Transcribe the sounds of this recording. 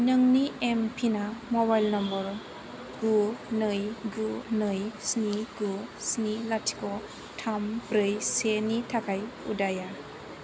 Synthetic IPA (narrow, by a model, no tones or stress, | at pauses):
nɯŋniempʰinamɔbajlnɔmbɔɾ | ɡunɯjɡunɯjsniɡusnilatʰi̥kɔ | tʰambɾɯjsenitʰakʰajṵdaja